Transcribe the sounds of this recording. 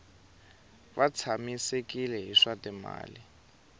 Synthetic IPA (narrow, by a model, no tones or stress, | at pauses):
βat͡sʰamisekʼilɛɦiʂatʼɛma̰ːli